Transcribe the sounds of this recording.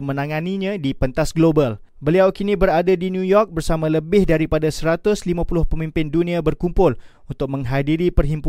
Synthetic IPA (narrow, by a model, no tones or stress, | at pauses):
mə̃naŋaniɲãdipənt̪asɡlobal | bəliawkinibəɾadadinjujɔk̚bərsamaləbɪhdaɾipadasəɾat̪ʊslimãpulʊhpəmimpɪnduniabərkumpʊl | unt̪ʊk̚mə̃ŋɦadiɾipərɦimpu